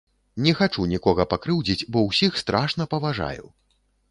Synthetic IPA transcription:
nʲɛxat͡ʂunʲikɔɣɐpakɾɨwd͡zʲit͡sʲbɔwsʲixst̪ɾʔaʂnɐpɐvaʐa̰jṵ

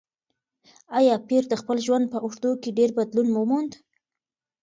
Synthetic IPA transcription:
ajɑpiɾd̪əxpəlʒwand̪̚pəʔoʂd̪okeɖeɾbad̪lunmumond̪

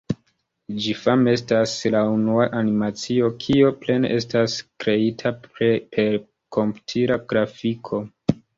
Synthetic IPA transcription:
d͡ʒifame̞staslaunuaʔanimat͡sio̞kʰiople̞neʔe̞staskɾe̞itʰaɾepʰe̞ɾ | kʰo̞mpu̥tʰiɾaɡ̥ɾafikʰo̞

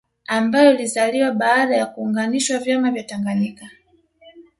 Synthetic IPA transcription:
ambajɔlizaliwaɓaːɗajakuːŋɡaniʃwavjamavjataŋɡanika

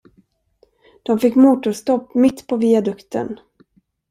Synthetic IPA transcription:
d̪̥ɔmfɪkːmuːt̪ʊɾst̪ɔpːmɪt̪ːpʰɔviːad̪ɵkt̪ʰə̰n

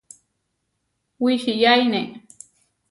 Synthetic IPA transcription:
wiʃijajne

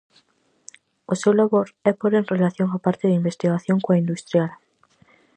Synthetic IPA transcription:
osewlaβoɾɛpoɾenrelaθjoŋapaɾt̪ɪðimbest̪iɣaθjoŋkoaind̪ust̪ɾjal

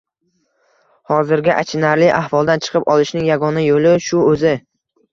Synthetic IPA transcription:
hɒzɪɾɡʲaʔat͡ʃʰɪnaɾlɪʔahvɒlˠd̪ant͡ʃʰɨ̥qʰɨpɒlˠɪʃnɪŋjaɡɒnajolɪʃʊɵzɪ

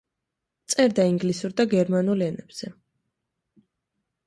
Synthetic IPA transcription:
t̪sʼɛɾd̪aiŋɡlisuɾd̪aɡɛɾmanulɛnɛb̥z̥ɛ

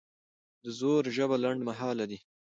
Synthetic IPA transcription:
d̪əzoɾʒəβalaɳɖmaɦɑːlad̪i

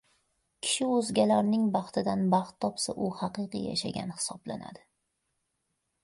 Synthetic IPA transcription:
kʲʰɪ̥ʃɪɵzɡʲalaɾnɪŋbɑχt̪ʰɪd̪anbɑχt̪ʰːɒpsaʔʊhɑqɨqɨ̰ja̰ʃa̰ɡʲa̰nhɪ̥sɒbla̰na̰d̪ɪ

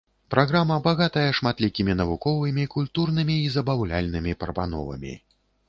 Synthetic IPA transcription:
pɾʔaɣɾamɐbaɣat̪ɐjɐʂmat̪lʲikʲimʲinɐvukɔvɨmʲikulʲt̪urnɨmʲiːzɐbawlʲa̰lʲnɨmʲipɐɾɐpa̰nɔ̰vɐ̰mʲḭ

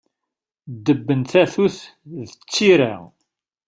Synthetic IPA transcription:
d̪ːəbːənθæθuθðət͡sːiɾa

